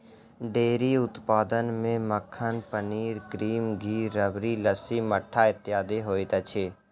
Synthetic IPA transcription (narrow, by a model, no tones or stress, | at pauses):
ɖeːɾiːʊt̪paːd̪ənmẽməkʰːənpəniːɾkɾiːmɡʱiːɾəbɾiːləsiːməʈʰːaːɪt̪jaːd̪eɦoːit̪ət͡ʃʰeː